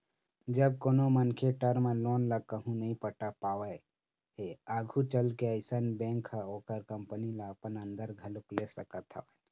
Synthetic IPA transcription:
d͡ʒəb̚koːnomənkʰeʈəɾmẽloːnləkəɦũnəɦĩpəʈapaːʋə | ɦeaːɡʱut͡ʃəlkeəɪsənbẽːŋkʰaoːkəɾkəmpənilaəpənə̃nd̪əɾɡʱəlʊklesəkət̪ʰa̰ə

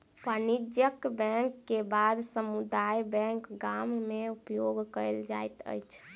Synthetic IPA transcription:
pənid͡ʒjəkbɛ̃ŋkːebad̪səmud̪ajbɛ̃ŋkɡammeupjoɡkəld͡ʒa̰jt̪ə̰jt͡ʃʰ

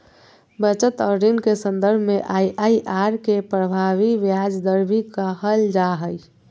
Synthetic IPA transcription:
bət͡ʃət̪əɾɾinkesənd̪əɾbʱmeʔajʔaiʔaɾkepɾəbʱaʋiʋjad͡ʒd̪əɾbʱikahəld͡ʒaɦəj

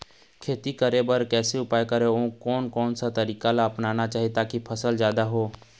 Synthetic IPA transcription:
kʰeːt̪ikəɾebəɾkɛːseʊpaːjkəɾeõkɔːnkɔːnsat̪ɐɾiːkalaɐpnaːnat͡ʃaːɦiet̪aːkipʰəsəld͡ʒjaːd̪aɦoː

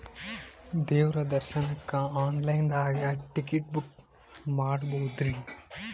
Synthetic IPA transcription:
d̪eːʋɾɐd̪ɐɾʃənɐkːaaːnlajnd̪aːɡjaʈɪkiʈ̚buk̚ | maːɽboːd̪ɾiː

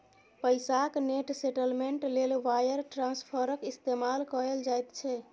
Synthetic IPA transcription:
pəjsakneʈseʈəlmeɳʈlelʋajəɾʈɾãnspʰəɾəkist̪emalkɔɾeld͡ʒajt̪t͡ʃʰɛ

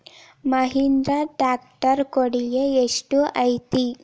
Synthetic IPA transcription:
məɦind̪ɾaʈɾak̚ʈəɾkoɽijeesʈuʔajt̪i

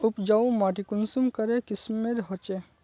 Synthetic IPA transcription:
upd͡ʒawmaʈikunsumkɐɾekɪsmeɾɦɔt͡ʃe

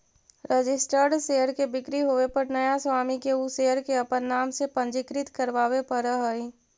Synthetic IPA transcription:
ɾəd͡ʒɪsʈəɾɖseːəɾkebɪkɾiɦoːepɐɾnɐjaswaːmikeusejəɾkeɐpənːaːmsepə̃nd͡ʒɪkɾɪt̪kəɾʋaːwepəɾəɦəi

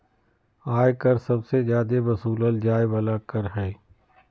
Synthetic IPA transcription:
aːjkəɾsɐbsezjaːd̪eʋɐsuːləld͡ʒaːɪbɐlakəɾɦɛː

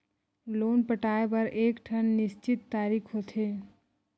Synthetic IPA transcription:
loːnpəʈaːepəɾeːkʈʰənːɪst͡ʃɪt̪ːaːɾiːkʰɦot̪ʰe

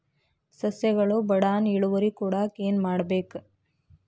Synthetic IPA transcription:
sɐsjɐɡɐɭubɐɽaːniɭuʋɐɾikuːɽɐkeːnmaːɽɐbeːk

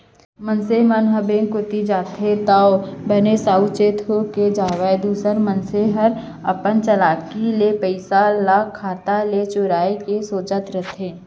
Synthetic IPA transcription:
mənsemənɦəbeːŋkʊt̪id͡ʒaːt̪ʰet̪aːobʱənesaːut͡ʃeːt̪ʰoked͡ʒaːʋaed̪uːsəɾmənseɦəɾ | ɐpənt͡ʃəlaːkilepəɪsalaːkʰːaːt̪alet͡ʃʊɾaːekesoːt͡ʃət̪ɾət̪ʰẽː

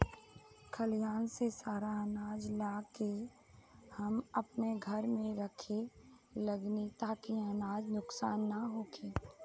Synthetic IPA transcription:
kʰəlijaːnsesaːɾaənaːd͡ʒlaːke | hɐmɐpneɡʱɐɾmẽɾɐkʰe | ləɡnit̪aːkiənaːd͡ʒnʊksaːnːaɦoːkʰeː

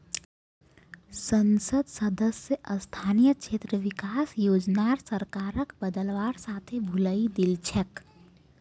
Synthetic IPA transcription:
sənsəd̪səd̪əsjəʔəst̪ʰaːnijəkʃʰeːt̪ɾəʋɪkaːsjoːd͡ʒnaɾsəɾkaːɾəkbəd̪əlʋaːɾsaːt̪ʰebʱuləid̪ilt͡ʃʰək

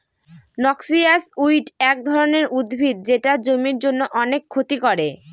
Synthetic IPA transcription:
nɔksiasujʈɛk̚d̪ʱɔɾoneɾʔud̪bʱid̪̚d͡ʑeʈad͡ʑomiɾd͡ʑonːoʔɔnekʰːot̪ikɔɾe

